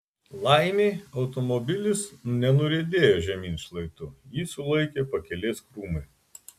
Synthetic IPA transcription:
lˠɐɪmʲeːɒʊt̪ɔmɔbʲɪlʲɪsnʲɛnʊɾʲeːd̪ʲeːjoːʒʲɛmʲiːnʲʃlˠɐɪt̪ʊjiːsʊlˠɐɪkʲeːpɐkʲɛlʲeːskɾuːmɐɪ

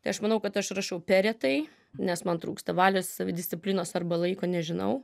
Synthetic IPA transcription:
t̪ɐɪɐʃmɐnɐʊkɐt̪ɐʃrɐʃɐʊpʲæːɾʲɛt̪ɐɪ | nʲɛsmɐnt̪ɾuːkst̪ɐʋɑːlʲoːssɐʋʲɪd̪ʲɪsʲtt͡s̪ʲɪpʲlʲɪnoːsɐrbɐlˠɐɪkoːnʲɛʒʲɪnɐ̰ʊ

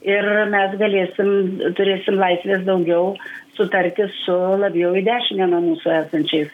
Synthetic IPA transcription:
ɪrmʲɛsɡɐlʲeːsʲɪmt̪ʊɾʲeːsʲɪmlˠɐɪsʲʋʲeːs̬d̪ɐʊɡʲɛʊsʊt̪ɐɾʲt̪ʲɪsʊlˠɐbʲjɛʊɪd̪ʲæːʃʲɪmʲɛːnɐmuːsʊæːsɐnʲt͡ʃʲɛɪs

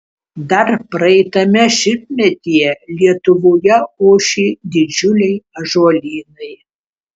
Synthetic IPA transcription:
d̪ɐrpɾɐɛɪt̪ɐmʲɛʃʲɪp̚mʲɛt̪ʲijɛlʲiɛt̪ʊʋoːjɛoːʃʲiːd̪ʲɪd͡ʒʲʊlʲɛjɐʒoːlʲiːnɐj

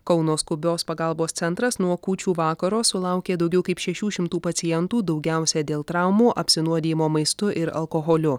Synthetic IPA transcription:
kɒʊnoːskʊbʲoːspɐɡɐˑlˠboːst̪sʲɛnt̪ɾɐsnuɔkuːt͡ʃʲuːʋɑːkɐɾoːsʊlˠɑˑʊkʲeːd̪ɐʊɡʲɛʊkɐɪpʃʲɛʃʲuːʃʲɪmt̪uːpɐt̪sʲɪjɛnt̪uːd̪ɐʊɡʲæˑʊsʲɛd̪ʲeːlˠt̪ɾɑˑʊmuːʔɐpʲsʲɪnuɔd̪ʲeːjɪmoːmɐɪst̪ʊʔɪɾɐ̰lˠkoɣoːlʲʊ

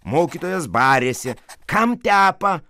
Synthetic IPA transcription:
moːkʲiːt̪oːjosbaːɾʲeːsʲɛkɐmt̪ʲæːpɐ

